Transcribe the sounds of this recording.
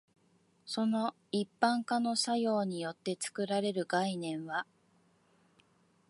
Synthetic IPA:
so̞no̞ | ipːãŋkano̞sajo̞ːɲ̟ijo̞t̪ːe̞t͡sɨ̥kɯ̟ɾaɾe̞ɾɯ̟ɡainẽ̞ɰ̃βa

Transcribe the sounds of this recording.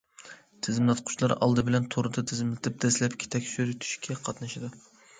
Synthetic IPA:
t̪ʰɪzɪmlˠɑt̪̚qʰʊ̥t͡ʃlˠɑɾɑ̰lˠd̪ɨbɪlɛnt̪ʰoɾɨd̪ɑt̪ʰɪzɪmlɪt̪ʰɪp̚d̪̥ɛslɛpkʲʰi̥t̪ʰɛkʲʃyɾyt̪ʰy̥ʃkʲʰɛqʰɑt̪nɨʃɨd̪

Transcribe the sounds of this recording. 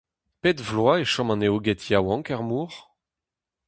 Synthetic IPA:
petvlwaeʃɔ̃mɑ̃neoɡɛt̪jawɑ̃ŋkɛʁmuːʁ

